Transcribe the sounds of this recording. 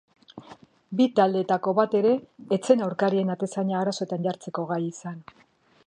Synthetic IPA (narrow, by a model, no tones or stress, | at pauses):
bit̪ald̪e̞t̪ako̞βat̪e̞ɾe̞ːt͡se̞nawɾkaɾie̞nat̪e̞saɲaːɾaso̞et̪anʝaɾt͡se̞ko̞ɣ̞ajisan